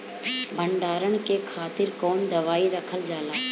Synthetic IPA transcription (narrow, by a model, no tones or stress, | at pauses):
bʱəɳɖaːɾəɳ̃kekʰaːt̪ɪɾkɔːnd̪ɐʋaːiɾɐkʰəld͡ʒaːlaː